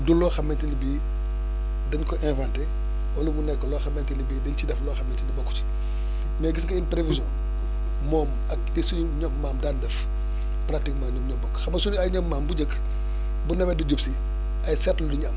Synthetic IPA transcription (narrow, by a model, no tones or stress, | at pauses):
dulːɔːxɐmːɛntinibiː | dɐnkɔʔɛ̃nvantɛ | wɐlumunɛkːɔlɔːxɐmːɛntinibiːdɐɲt͡ʃidɛflɔːxɐmːɛntinibɔkːuti̥ | mɛːɡis̬ɡɐinpɾevizjɔ̃ | mɔːm | ɐk̚lisuɲuɲɔkmaːmdaːndɛf | pɾatikmaːɲukɲɔbɔkːxɐmːɐsunɐjɲɔpmaːmbud͡ʒək | bunɛbɛdud͡ʒupsi | ɐjsɛtlduɲaːm